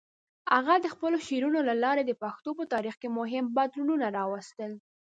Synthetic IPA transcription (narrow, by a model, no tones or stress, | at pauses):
a̰ɣad̪əxpəloʃeɾunolalɑɾed̪əpaxt̪opət̪ɑɾixkemʊɦɪmbad̪ɾununaɾɑwast̪əl